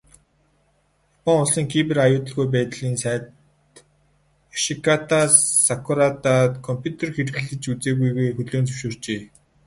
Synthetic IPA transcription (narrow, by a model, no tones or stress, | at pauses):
apɔŋʊɮsiːŋkʰipɘ̆rajʊːt̪ə̆ɮɣujp̬æːt̪ɮiːnsæː | t̪ | ʃikʰat̪asakʰʊɾat̪at̪kʰɔmpʰʲjut̪ʰerxerɣɘ̆ɮɘ̆t͡ɕut͡seːɣujɣujxɵɮoːnt͡sɵ̥wʃoːr̥t͡ɕeː